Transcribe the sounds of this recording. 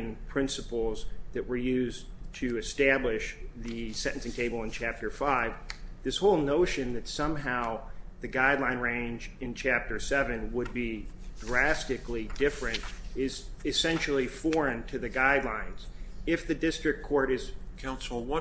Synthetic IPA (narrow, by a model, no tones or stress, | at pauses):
ŋpʰɹ̥ɪ̃nsəpl̩ˠzðɨʔ̚wə˞jʉztʰɨɨstæblɪʃðɨsɛ̃ʔn̩sɪ̃ŋtʰeɪbl̩ˠə̃nt͡ʃʰæp̚tə˞faɪvðɪshoʊlˠnoʊʃɨ̃nðɨtsʌ̃mɦaʊðɨɡaɪdˡlãɪ̃nɹẽɪ̃nd͡ʒɨ̃nt͡ʃʰæp̚tə˞sɛvɨ̃nwəd̚bi | dɹæstɨklidɪfɹɨ̃ntɪz | ɨsɛ̃nʃl̩ˠifɔɹɨ̃ntʰɨðɨɡaɪdˡlãɪ̃nz̥ɪfðɨdɪstɹ̥ɨkʰɔɹɾɨz̥ | kʰãʊ̃nsl̩ˠwʌ